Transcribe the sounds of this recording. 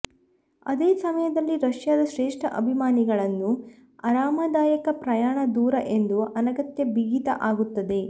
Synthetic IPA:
ɐd̪eːsɐmɐjɐd̪ɐlːiɾɐʂjaːd̪ɐʃɾeːʂʈʰɐ̰ʔɐbʱimaːniɡɐɭɐnːu | ɐɾaːmɐd̪aːjɐkɐpɾɐjaːɳɐd̪uːɾɐʔe̞nd̪uɐnɐɡɐt̪jɐbiɡit̪ɐʔaːɡut̪ːɐd̪e̞

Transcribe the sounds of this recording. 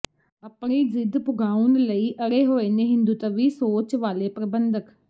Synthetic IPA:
əpniːzɪd̪pʊɡaːʊnləiːʔəɾeːɦoːeːneːɦɪ̃nd̪uːt̪əʋiːsoːt͡ʃʋaːleːpɾəbənd̪ək

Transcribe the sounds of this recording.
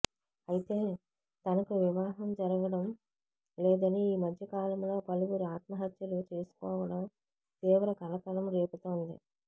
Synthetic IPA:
ɐjit̪e̞ː | t̪ɐnɐkuʋiʋaːɦɐmd͡ʒɐɾɐɡɐɽɐm | lɛːd̪ɐniːmɐd̪ʱjɐkaːlɐmlo̞ːpɐluɡuɾiaːt̪mɐɦɐt̪jɐlut͡ʃe̞ːsu̥kɔːʋɐɽɐm | t̪iːʋɐɾɐkɐlɐk̪ɐlɐmɾeːput̪oːnd̪ḭ

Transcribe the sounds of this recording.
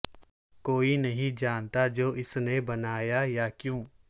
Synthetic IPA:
koːinɐɦĩd͡ʒaːnt̪ad͡ʒoːʔɪsnebɐnaːjajakjũː

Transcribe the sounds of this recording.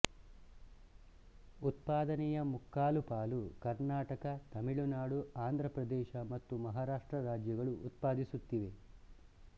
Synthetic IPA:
ut̪paːd̪ɐnɛjɐmukːaːlupaːlukɐɾnaːʈɐkɐt̪ɐmiɭunaːɽuaːnd̪ʱɾɐpɾɐd̪ɛːʃɐmɐt̪ːumɐɦaːɾaːʂʈɾɐɾaːd͡ʒjɐɡɐɭuːt̪̚paːd̪isut̪ːiʋe̞

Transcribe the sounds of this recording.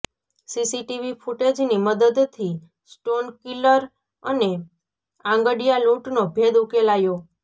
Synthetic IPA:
sisiʈiʋifuʈed͡ʒniməd̪əd̪t̪ʰːi | sʈonkiləɾ | əne | ãŋɡəɖijaluʈnobʱed̪ukelajo

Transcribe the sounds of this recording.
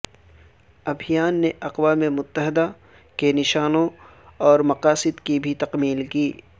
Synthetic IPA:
ɐbʱɪjaːnːeʔɐqwaːmemʊt̪ːəɦɪd̪a | kenɪʃaːnõɔːɾmɐqaːsɪd̪kibʱit̪ɐqmiːlkiː

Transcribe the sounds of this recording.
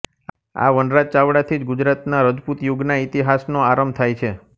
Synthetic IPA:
a̰ʋənɾat͡ʃaʋɽat̪ʰid͡ʒɡud͡ʒɾat̪naɾəd͡ʒput̪juɡnait̪iɦasnoaɾəmbt̪ʰajt͡ʃʰe

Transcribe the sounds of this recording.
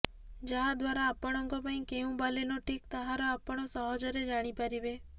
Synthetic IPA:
d͡ʒad̪ʋaɾaːpəɽ̃ɔŋɡopəĩkeũbalenoʈikt̪əɦaɾoapəɳ̃osəɦɔd͡ʒəɾed͡ʒaɽ̃ipəɾiʋe

